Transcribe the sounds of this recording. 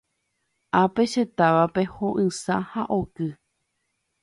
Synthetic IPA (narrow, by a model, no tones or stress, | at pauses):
ape̞ʃe̞t̪aʋape̞hõʔɨ̃sã̰haʔokɨ